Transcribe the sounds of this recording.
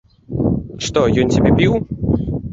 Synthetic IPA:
ʂt̪ɔjɔnt͡sʲabʲɛpʲiw

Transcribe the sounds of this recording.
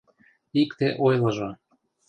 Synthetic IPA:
ikt̪eʔojlɤʒo

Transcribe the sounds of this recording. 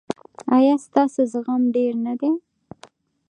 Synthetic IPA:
ajɑst̪ɑsozɣamɖeɾnad̪e

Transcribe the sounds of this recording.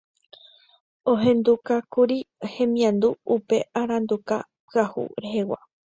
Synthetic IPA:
õɦẽ̞nd̪ukakuɾihẽ̞mĩãnd̪uupe̞aɾãnd̪uka | pɨahṵɾeɦewa̰

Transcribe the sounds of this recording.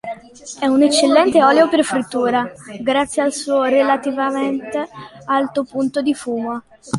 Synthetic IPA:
ɛunet͡ʃːelːɛnt̪eɔːleoperfɾit̪ːuːɾaɡɾat̪sːjealsuːoɾelat̪ivament̪ealt̪opunt̪od̪ifuːmo

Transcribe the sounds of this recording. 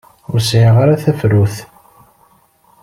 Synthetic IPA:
ʊɾsʕiʁaɾaθæfɾuθ

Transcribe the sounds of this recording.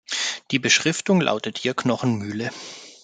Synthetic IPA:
d̥iːbəʃʁ̥ɪftʊŋlʔa̰ʊtəthiːɐknɔχn̩myːlə

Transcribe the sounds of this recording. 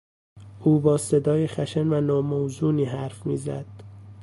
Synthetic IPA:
ʔuːbɒːse̞d̪ɒːjexæʃenvænɒːmowzuːniːɦæɾfmḭːzæd̪̥

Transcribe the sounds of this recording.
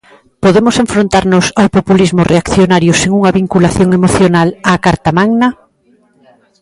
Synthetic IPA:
poðemʊseɱfɾont̪aɾnʊsawpopulizmʊreakθjonaɾjʊseŋuŋɐβiŋkulaθjoŋemoθjonalaːkaɾt̪amaŋnɐ

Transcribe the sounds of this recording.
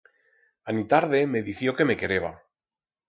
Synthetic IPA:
anit̪aɾðe̞me̞ðiθjo̞ke̞me̞ke̞ɾeβa

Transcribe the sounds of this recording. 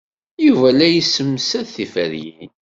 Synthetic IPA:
juvælæjəsːəmːsæðθifəɾjin

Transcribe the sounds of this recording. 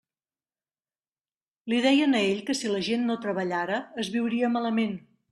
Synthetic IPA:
liðɛjənəeʎkəsiləʒenːot̪ɾəβəʎaɾəːzβiwɾiəmaləmen

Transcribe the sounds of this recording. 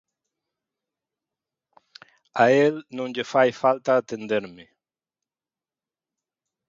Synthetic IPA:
aelnõnʎefajfalt̪aːt̪end̪eɾme

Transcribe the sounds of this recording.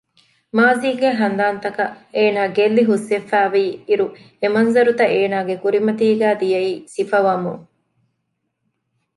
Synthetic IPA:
maːziːɡeɦɐnd̪aːnt̪ɐkɐeːnaːɡelːiɦusːefːæːʋiːiɾu | emɐnzɐɾut̪ɐʔeːnaːɡekuɾimɐt̪iːɡæːd̪ijɐiːsifɐʋɐmuŋ

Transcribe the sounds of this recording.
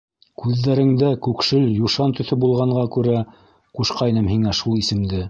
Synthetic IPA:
kʉðːæɾɘ̆ŋd̪ækʉkʃɘljuʃɑnt̪ɵ̆θɵbulˠʁɑɴɢɑkʉɾæ | quʃqɑjnɤmɦiŋæʃulˠisɘ̆md̪ɘ

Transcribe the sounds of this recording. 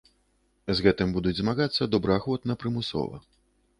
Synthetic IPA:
zɣɛt̪ɨmbud̪ud͡zʲzmaɣat̪sːɐd̪ɔbɾɨaxvɔt̪nɐpɾɨmusɔ̰vɐ̰

